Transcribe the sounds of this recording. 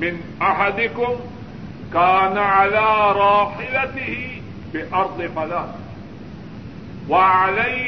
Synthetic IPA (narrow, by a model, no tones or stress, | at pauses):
mɪn | ʔaħad̪ɪkʊm | kaːnaʕalaːɾˤɑːħɪlat̪ɪhɪ | bɪʔɑɾˤd̪ˤɨfalaːt̪ɪh | waʕala